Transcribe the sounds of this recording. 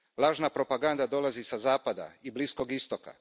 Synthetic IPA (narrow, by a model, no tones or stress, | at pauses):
lˠaːʒnapɾo̞paɡand̪ad̪o̞lazisazaːpad̪a̰iblisko̞ɡist̪o̞ka̰